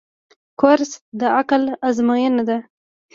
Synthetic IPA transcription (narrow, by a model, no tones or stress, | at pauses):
kʊɾsd̪əaklazmɑjənad̪a